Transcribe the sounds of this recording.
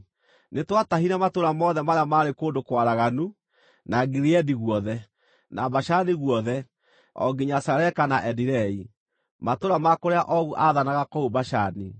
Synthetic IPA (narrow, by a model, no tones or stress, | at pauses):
netwataɦiɾamatoɾamɔðɛmaɾeamaːɾekoːndokwaɾaɣanu | naɡiɾiɛdiɣwɔðɛ | nabaʃaniɣwɔðɛ | ɔ̰ɡiɲasaɾɛkanaʔɛdiɾɛi | matoɾamakoɾeaʔɔɣuʔaðanaɣakɔubaʃani